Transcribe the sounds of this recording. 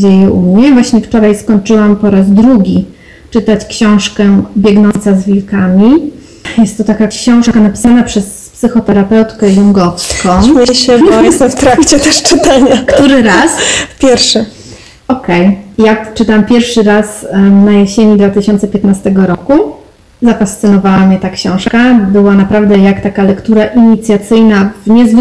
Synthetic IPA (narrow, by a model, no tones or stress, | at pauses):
d͡ʑejɛʔumɲɛvwaɕɲɛft͡ʂɔɾajskɔɲt͡ʂɘwampɔɾazd̪ɾuɡʲi | t͡ʂɘt̪at͡ɕkɕɔ̃w̃ʂkɛbʲjɛɡnɔnt̪sazvʲilkamʲi | jɛst̪ːɔt̪akakɕɔ̃w̃ʂkanapʲi̥sanapʂɛs | psɘxɔt̪ɛɾapɛwt̪kɛjuŋɡɔfskɔ̃ɕɛjɛst̪ɛft̪ɾakt͡ɕɛt̪ɛʂt͡ʂɘt̪aɲakt̪uɾɘɾaspʲjɛɾʂɛ | ɔkɛjjat͡ʂɘt̪ampʲjɛɾfʂɘɾasnajeɕeɲid̪vat̪ɘɕɔnt̪sɛpʲjɛt̪nast̪ɛɡɔɾɔku | zafast̪sɘnɔvawamʲɲɛt̪akɕɔ̃w̃ʂkabɘwanapɾavd̪ɛjakt̪akalɛkt̪uɾaʔiɲit̪sʲjat̪sɘjnavɲɛzv